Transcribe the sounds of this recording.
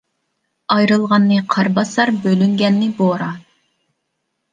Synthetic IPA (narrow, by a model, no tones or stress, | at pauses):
ɑjɾɨlˠʁɑnːɨqʰɑɾbɑsɑɾbølyŋɡʲɛnːɪboɾɑ